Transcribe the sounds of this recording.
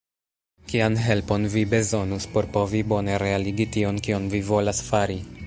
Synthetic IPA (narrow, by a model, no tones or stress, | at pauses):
kianɦe̞lpo̞nvibe̞zo̞nuspo̞ɾpo̞vibo̞ne̞ɾe̞aliɡitio̞nkionvivo̞lasfaɾi